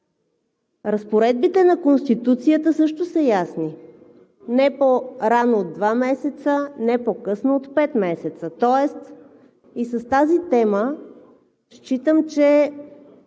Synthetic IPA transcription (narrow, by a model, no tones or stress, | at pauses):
ɾɐspoɾɛd̪̚bit̪ɛnɐkonst̪it̪ut̪sijət̪əsɤʃt̪ʊsəjasni | nɛpoɾanoːd̪̚d̪vamɛsɛt̪sənɛpokɤsnoot̪pɛt̪mɛsɛt̪sət̪ɔɛst̪ | isəst̪azit̪ɛmə | ʃt͡ʃit̪əmt͡ʃɛ